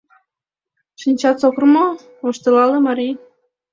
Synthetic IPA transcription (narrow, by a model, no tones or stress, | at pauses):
ʃinʲt͡ɕɑt̪t͡sokromo | oʃt̪elɑlemɑɾʲij